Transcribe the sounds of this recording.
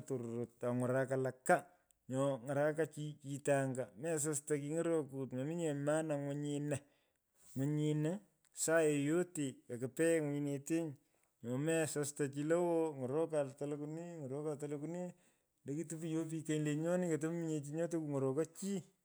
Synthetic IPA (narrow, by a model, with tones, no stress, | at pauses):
to˨ɾɾo˨t̚a˨ŋɔ˨ɾa˨ka˨la˨kːa˦ | ɲɔ˨ŋa˨ɾa˦ka˦t͡ʃi˦t͡ʃi˦taŋɡa˨mɛ˦s̬a˦sta˨ki˧ŋo˦ɾo˦ku˨tme˨mi˦ɲe˨ma˦na˨ŋwɔ˦ɲina˨ | ŋwɔ˨ɲi˨na˦ | sa˦e˨jo˦te˨ka˨kɪ˨pɛ˦ŋwi˧ne˨te˦ɲ | ɲɔ˨mɛ˦sasta˨t͡ʃi˧lo˦wo˦ŋɔ˨ɾɔ˦ka˨ltalkuni˦ŋo˨ɾɔ˦ka˨talokuni˦ | nde˦ki˦tu˦pi˦jo˦p̬i˧ke˦ile˨ɲɔ˦ni˦ke˨t̬o˦m˦mi˦ɲe˨t͡ʃiɲɔ˦to˦ku˨ŋo˨ɾo˨ka˦t͡ʃi˦